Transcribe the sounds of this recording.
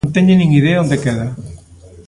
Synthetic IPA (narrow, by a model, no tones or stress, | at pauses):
nt̪eɲenĩŋiðeond̪ekeða